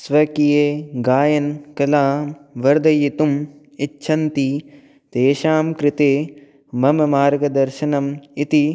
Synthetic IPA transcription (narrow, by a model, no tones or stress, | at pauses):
sʋɐkijeːɡaːjɐnkɐlaːmʋɐɾd̪ɐjit̪um | itːʃʰɐnt̪i | t̪eːʃaːmkɾɪt̪eː | mɐmɐmaːɾɡɐd̪ɐɾʃɐnɐmit̪i